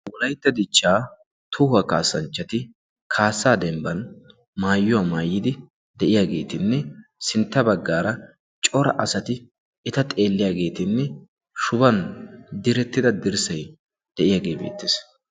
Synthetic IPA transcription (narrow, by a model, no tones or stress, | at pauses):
wɔlɐjt̪ːɐd̪ɪt͡ʃːaː | t̪ʰʊhɐkaːsːɐnt͡ʃːɐt̪ɪ | kʰaːsːaːd̪ɛmbɐn | maːjːʊwaːmaːjːɪd̪ɪ | d̪ɛʔɪjaːɡe̞ːt̪ɪnːɛsɪnt̪ːɐbɐɡːaːɾɐ | t͡ʃʼɔɾɐ̰ʔɐsɐt̪ɪ | ɛt̪ɐt̪ʼe̞ːlːɪjaːɡe̞ːt̪ɪnːɛ | ʃʊbɐnd̪ɪɾɛt̪ːɪd̪ɐd̪ɪɾsɐj | d̪̥ɛʔɪjaːɡe̞ːbḛːt̪ːeːs